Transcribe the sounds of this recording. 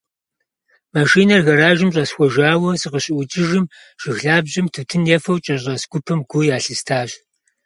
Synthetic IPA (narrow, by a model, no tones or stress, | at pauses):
maʃiːnɐrɣɐraːʒɪmɕʼɐsxʷɔʒaːwɐsɨqəɕʼɪʔʷʊt͡ʃʼɪʒɪm | ʒ̥ɪxɮaːbʑɪmtʰɨtʰɨnjɛfɐwt͡ʃʼɐɕʷʼɐsɡ̥ʷʊpʰɐmɡʷʊjaːɬɨstʰaːɕ